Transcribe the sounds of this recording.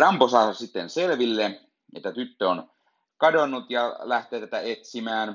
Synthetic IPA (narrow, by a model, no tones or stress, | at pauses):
rɑmposɑːsɑsit̪ːenselʋilːe | ḛt̪ːæt̪yt̪ːøon | kɑdonːut̪jɑlæht̪eːt̪æt̪æet̪simæːn